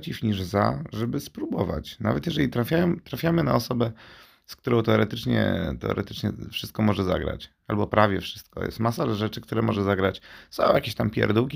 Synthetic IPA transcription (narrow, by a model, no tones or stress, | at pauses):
t͡ɕifɲiʐza̰ʐɛbɘspɾubɔva̰t͡ɕna̰vɛt̪jɛʐɛlʲit̪ɾafʲjajɔmt̪ɾafʲjamɘna̰ɔsɔbɛ | skt̪uɾɔ̃w̃t̪ɛɔɾɛt̪ɘt͡ʂɲɛ̰t̪ɛɔ̰ɾɛt̪ɘt͡ʂɲɛ̰fʂɨst̪̚kɔmɔʐɛza̰ɡɾa̰t͡ɕ | albɔpɾavʲjɛfʂɘ̥st̪̚kɔ̰jɛ̰st̪masalaʐɛt͡ʂɘkt̪uɾɛmɔʐɛzaɡɾat͡ɕsɔ̃w̃jakʲeɕt̪ampʲjɛ̰ɾd̪ukʲi